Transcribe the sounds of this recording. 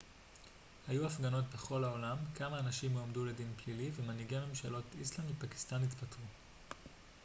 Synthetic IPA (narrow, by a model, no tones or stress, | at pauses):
hajuafɡano̞tbe̞χo̞laolamkamaːnaʃimomdule̞dinplilivemaniɡeme̞mʃalo̞tislandlepaki̥st̪anit̪batʁu